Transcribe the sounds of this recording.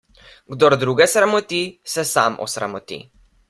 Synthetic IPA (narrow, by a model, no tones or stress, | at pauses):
ɡd̪ɔɾd̪ɾuɡɛsɾamɔt̪isɛsaːmʔɔ̰sɾa̰mɔt̪ḭ